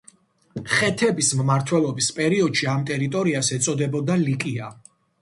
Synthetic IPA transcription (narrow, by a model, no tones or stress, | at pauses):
χɛt̪ʰɛbismmaɾt̪ʰwɛlˠɔbispʼɛɾiɔd̪ʃiamt̪ʼɛɾit̪ʼɔɾiasɛt̪sʼɔd̪ɛbɔd̪alikʼia